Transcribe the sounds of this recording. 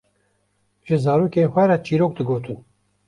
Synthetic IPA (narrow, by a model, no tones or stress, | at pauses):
ʒ̥ɨzɑːɾoːkeːxʷɛɾat͡ʃiːɾoːk̚d̪ɨɡoːt̪ʰun